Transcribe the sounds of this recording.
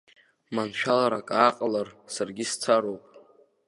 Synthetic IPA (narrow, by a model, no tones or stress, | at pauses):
manʃᶣalaɾakʼaqʼlarsarɡʲist͡sʰaɾowpʼ